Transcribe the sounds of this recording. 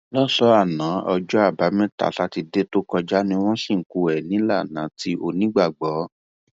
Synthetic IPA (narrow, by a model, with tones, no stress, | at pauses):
lɔ˦sɔ˦a˦˨nã˨˦ɔ˧d͡ʒɔ˦a˦˨ba˨˦mɛ̃˦ta̰˨sa˧˦ti˧de˦to˦kɔ˧d͡ʒa˦nĩ˦w̃ɔ̃˦sĩ˦˨ŋ̩˨ku˧˨ɛ˨nĩ˨˦la˦˨nã˨˦ti˦ʔo˧nĩ˦ɡ͡ba˦˨ɡ͡bɔ˨˦